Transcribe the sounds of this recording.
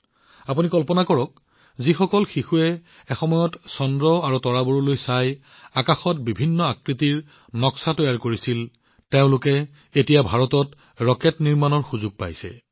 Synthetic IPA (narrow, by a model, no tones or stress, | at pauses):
apunikɔlpɔnakɔɹɔk̚ | zixɔkɔlxixuɛː | xɔmɔjɔtsɔndɹɔaɹutɔɹaboɹulojsaj | akaxɔt̚bibʱinːɔakɹitiɹ | nɔksatojaɹkoɹisil | teʊ̃lʊkɛ | etijabʱaɹɔtɔt | ɹɔkɛtniɹmanɔɹxuzʊɡ̚pa̰jsɛ̰